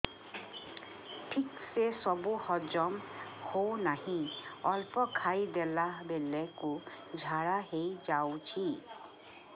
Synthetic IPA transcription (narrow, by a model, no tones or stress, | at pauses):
ʈʰiksesɔbuhɔd͡ʒɔmhonahĩɔlpɔkʰajd̪elabelekud͡ʒʱaɽaɦejd͡ʒawt͡ʃʰi